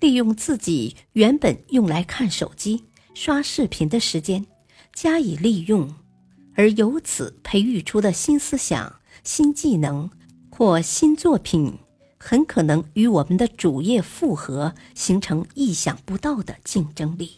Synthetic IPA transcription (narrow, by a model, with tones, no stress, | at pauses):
li˥˧jʊ˥˧ŋt͡sɹ̩˥˩t͡ɕi˨˩ | ɥɛ˧˥npə˨˩njʊ˥˩ŋla˧˥ɪkʰa˥˩nʂo̰˨˩ʊt͡ɕi˥ | ʂwa˥ʂɻ̩˥˩pʰi˨˩nd̪ə˧ʂɻ̩˧˥t͡ɕjɛ˥n | t͡ɕja˥i˨˩li˥˧jʊ˥˩ŋ | ə˞˧˥jo˧˥ʊt͡sʰɹ̩˨˩˦pʰe˧˥ɪy˥˩ʈ͡ʂʰu˥d̪ə˨ɕi˥nsɹ̩˥ɕjɑ̰˨˩˦ŋ | ɕi˥nt͡ɕi˥˩nɤ˧˥ŋ | xwɔ˥˩ɕi˥nt͡swɔ˥˩pʰi˨˩n | xə˧˥nkʰɤ˨˩nɤ˧˥ŋy˧˥wɔ˨˩mə˦nd̪ə˧ʈ͡ʂu˨˩jɛ˥˧fu˥˩xɤ˧˥ | ɕi˧˥ŋʈ͡ʂʰɤ˧˥ŋi˥˩ɕjɑ˨˩ŋpu˧˥t̪ɑ˥˩ʊd̪ə˩t͡ɕi˥˩nʈ͡ʂɤ˥ŋli˥˩